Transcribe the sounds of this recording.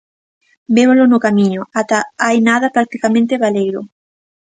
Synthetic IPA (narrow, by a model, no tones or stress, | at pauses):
beβolonokamĩɲoat̪aajnaðapɾak̚t̪ikamẽnt̪eβalejɾo